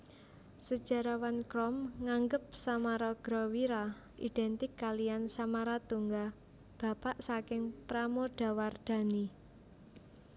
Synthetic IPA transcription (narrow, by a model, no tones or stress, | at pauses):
səd̥ʒ̥a̤ɾawankɾɔmŋaŋɡəp̚samaɾɔɡ̥ɾɔwiɾa | ʔid̪̥ɛnt̪ɪkːalijansamaɾat̪uŋɡa | b̥a̤paʔsakɪŋpɾamoɖ̥a̤ward̪̥a̤ni